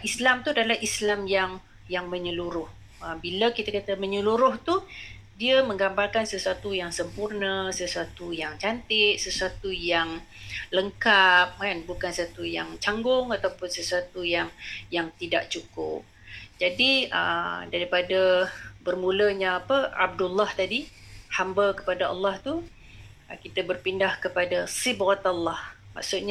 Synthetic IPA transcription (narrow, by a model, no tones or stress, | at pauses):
islamt̪udalahislamjaŋ | jaŋmə̃ɲəluɾʊh | əmbiləkit̪akat̪əməɲəluɾʊht̪u | diəmə̃ŋɡambalkansəsuat̪ujaŋsəmpurnəsəsuat̪ujaŋt͡ʃant̪ɪʔ̪̚səsuat̪ujaŋ | ləŋkap̚kanbukansat̪ujaŋt͡ʃaŋɡʊŋat̪awpʊnsəsuat̪ujaŋjaŋt̪ida̰ʔ̚t͡ʃukʊ̰p̚ | d͡ʒadiə̰daɾipadabərmuləɲaapəa̰b̚dulːaht̪adihambəkə̥padaʔɑ̰lːɑht̪u | kit̪əbərpindahkəpadasibat̪ɑlːɑhma̰ksʊt̪̚ɲa